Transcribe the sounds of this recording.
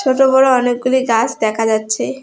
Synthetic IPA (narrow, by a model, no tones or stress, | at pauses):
t͡ʃʰoʈobɔɾoɔnek̚ɡuliɡasd̪ɛkʰad͡ʑatːɕʰe